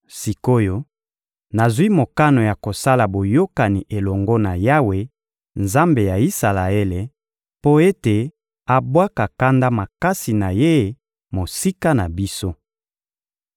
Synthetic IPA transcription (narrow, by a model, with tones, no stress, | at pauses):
si˨ko˦jo˦ | na˨zwi˦mo˨ka˦no˨ja˨ko˨sa˦la˨bo˨jo˦ka˨ni˨ʔe˨lɔ˨ŋɡɔ˦na˨ja˦we˦ | nza˦mbe˨ja˨i˦sa˨la˨e˦le˨ | po˦e˦te˨ | a˨bwa˦ka˨ka˦nda˦ma˨ka˦si˨na˨je˦˨ | mo˨si˦ka˦na˨bi˦so˦